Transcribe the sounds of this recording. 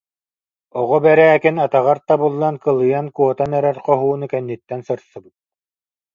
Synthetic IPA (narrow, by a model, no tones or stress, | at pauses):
ɔʁɔbɛɾæːkinat̪aʁaɾt̪abɯlˠːankɯlˠɯjankuɔt̪anɛɾɛɾqɔɦuːnɯkɛnːit̪ːɛnsɯɾsɯbɯt̪̚